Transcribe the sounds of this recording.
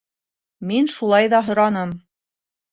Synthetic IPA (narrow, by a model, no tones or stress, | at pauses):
minʃulˠɑjðɑɦŏɾɑnɤm